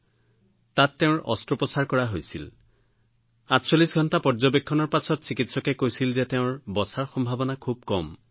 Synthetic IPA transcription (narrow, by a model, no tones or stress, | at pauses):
tatːeʊ̃ɹʔɔ̰stɹɔpɔsaɹkɔɹaɦojsḭl | atsolisɡʱɔntapɔɹzɔbekʰːɔnɔɹpasɔtsikitsɔkɛkojsilzɛteʊ̃ɹbɔsaɹxɔmbʱabɔnakʰub̚kɔm